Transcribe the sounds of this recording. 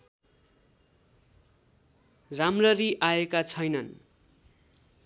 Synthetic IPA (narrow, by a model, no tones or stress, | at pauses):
ramrʌriʔaekat͡sʰʌjnʌn